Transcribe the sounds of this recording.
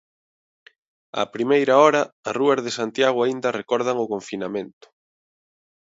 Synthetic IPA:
a̰pɾimejɾɐɔɾɐːsruɐzðesant̪jaɣ̞ʊaind̪ɐrekɔɾð̞ɐŋʊkoɱfinamẽnt̪ʊ̥

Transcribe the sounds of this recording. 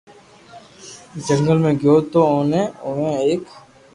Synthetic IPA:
d͡ʒəŋɡəlmẽɡjoːt̪ooːnẽːoːʋẽːeːk

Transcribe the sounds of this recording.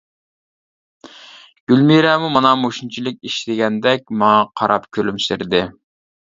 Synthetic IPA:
ɡ̥ʲylmiɾɛmumɑnɑmoʃunt͡ʃʰilˠɪk̚ʲiʃt̪ɪɡʲɛnd̪ɛk̚ʲmɑŋɑqʰɑɾɑpkʲʰølymsɪɾd̪ɪ

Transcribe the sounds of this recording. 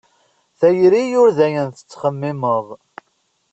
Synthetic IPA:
θæjɾijʊɾðæjənθə̥t͡sːχəmːiməðˤ

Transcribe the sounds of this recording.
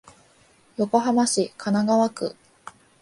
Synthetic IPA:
jo̞ko̞ɦamaɕikʰanaɡaβakɯ̰

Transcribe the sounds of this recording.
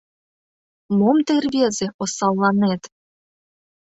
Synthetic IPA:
momt̪erβezeʔosɑlˠːɑnet̪

